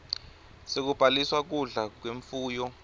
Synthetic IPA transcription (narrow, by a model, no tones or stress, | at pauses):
sek̬ub̥ʱaliswak̬uɮak̬weɱfuːjɔ